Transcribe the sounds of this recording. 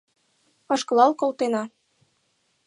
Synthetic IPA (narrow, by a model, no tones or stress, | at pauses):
ɑʃkɤ̆lˠɑlkolt̪enɑ